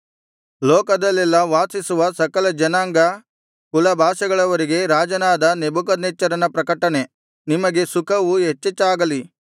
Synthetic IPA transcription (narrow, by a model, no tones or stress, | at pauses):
lɔːkɐd̪ɐlːɛlːɐʋaːsisuʋɐsɐkɐlɐd͡ʒɐnaːŋɡɐ | kulɐbʱaːʃɐɡɐɭɐʋɐɾiɡe̞ɾaːd͡ʒɐnaːd̪ɐnebukɐd̪net͡ʃːɐɾɐnɐpɾɐkɐʈːɐne̞ | nimɐɡe̞sukʰɐʋuɦet͡ʃːɛt͡ʃːaːɡɐli